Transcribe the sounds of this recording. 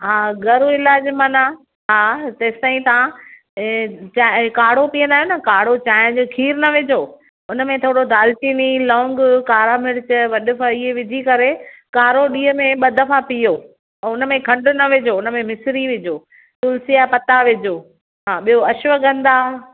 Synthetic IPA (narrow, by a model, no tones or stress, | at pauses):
ɦaːɡɐɾoɪlaːd͡ʑmɐna | ɦaːt̪ɐːst̪ãːĩt̪ã | t͡ɕakaːɽ̤opijə̃nd̪aːɦjonɐkaːɽ̤ot͡ɕaːɪə̃d͡ʑokʰiːɾnɐʋɪd͡ʑoː | ʊnəmẽt̪ʰoːɽod̪ʱaːltiːnilɔ̃ːŋɡkaːɾamɪɽt͡ɕʋɐɗʊfaɪɦeʋɪd͡ʑʱikɐɾekaːɾoɗiːɦəmẽɓɐd̪ʱəfapijoː | ɛ̃ːʊnəmẽkʰɐ̃ɳɖʊnɐʋɪd͡ʑoʊnə̆mẽmɪsɾiʋɪd͡ʑoː | t̪ʊlsijapɐt̪aʋɪd͡ʑoː | ɦaːɓijoɐʃʋəɡɐ̃nd̪aː